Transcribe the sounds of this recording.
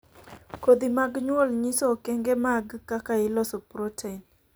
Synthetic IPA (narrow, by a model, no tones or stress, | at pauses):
kod̪imaɡɲwɔlɲɪsɔkɛŋɡemaɡkakaɪlɔsɔpɾotʰein